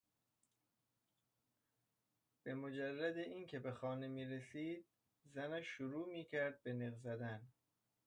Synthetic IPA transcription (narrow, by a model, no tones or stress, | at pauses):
b̥e̞mod͡ʒærːæd̪eʔiːncʰe̞be̞xɒːne̞miːɾesiːd̪̚ | zænæʃːuɾuːmiːcʰæɾd̪̚be̞neɣzæd̪æn